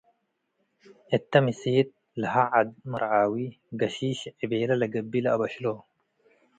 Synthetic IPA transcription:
ʔɪt̪ːɐmɪseːt̪̚ | lɐɦɐʕad̪mɐɾʕaːwiː | ɡɐʃiːʃʕɪbeːlɐlɐɡɐbːilɐɐbɐʃloː

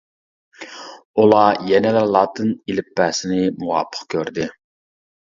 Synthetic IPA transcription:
ulˠɑjɛnɛlæɾlˠɑːt̪ʰɨnilɪpːæːsɪnɪmuwɑ̰ːpʰːə̥qkʲʰøɾd̪ɪ

